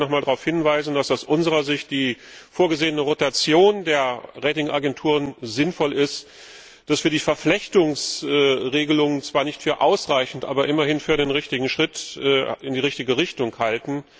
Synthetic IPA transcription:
nɔχmaːldaʁaʊfhɪnvaɪzn̩dasaʊsʔʊnzəʁ̞ɐzɪçt̚d̥iː | foːɐɡəzeːənəʁotat͡sjoːndeːɐʁɛːtɪŋaɡɛntʰuːʁənzɪnfɔlɪst | d̥asv̥iːɐdiːfɛɐflɛçtʊŋsʔɛːʁeːɡəlʊŋənt͡sv̥aːɐnɪçtfyːɐʔaʊsʁaɪçn̩tʔa̰ːbɐʔɪmɐhɪnfyːɐɾeːnʁɪçtɪɡŋ̩ʃʁ̥ɪtʔɛʔɪndiːʁɪçtɪɡəʁɪçtʊŋkhaltn̩

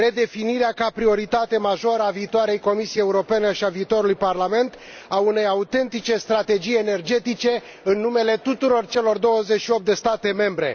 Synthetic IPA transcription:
ɾe̞d̪e̞finiɾeakapɾio̞ɾit̪at̪e̞maʒo̞ɾəaviːt̪oaɾe̞jko̞misijejeuɾo̞pe̞neʃiaviːt̪o̞ɾulujparlame̞nt̪ | aune̞jaut̪e̞nt̪it͡ʃe̞st̪ɾat̪e̞d͡ʒije̞ne̞rd͡ʒe̞t̪it͡ʃe̞ | ɨnːume̞le̞t̪ut̪uɾo̞rt͡ʃe̞lo̞rd̪o̞wəze̞t͡ʃʃio̞p̚t̪d̪e̞st̪at̪e̞me̞mbɾe̞̰

